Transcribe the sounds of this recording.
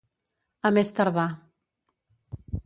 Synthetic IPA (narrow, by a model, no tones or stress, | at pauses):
əmest̪əɾða